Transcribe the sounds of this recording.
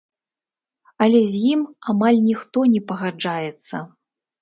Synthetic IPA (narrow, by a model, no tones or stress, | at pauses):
ɐlʲɛzʲjimamalʲnʲixt̪ɔnʲɛpɐɣad͡ʐajɛt̪sːɐ